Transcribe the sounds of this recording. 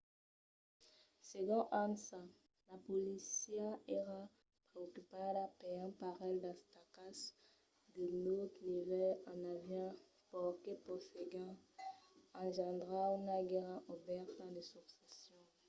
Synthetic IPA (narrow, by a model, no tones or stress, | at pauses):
seɡɔ̃ʔãnsa | lapɔlisjaeʁa | pχeokypadapeɑ̃paʁɛld̪ãst̪akas | d̪ənot̪nivɛlãnavjɛ̃ | pɔkepɔfeɡɛ̃ | ɑ̃ʒɑ̃d̪ʁaunaɡeʁãʔobɛʁt̪ãd̪esuksesjɔ̃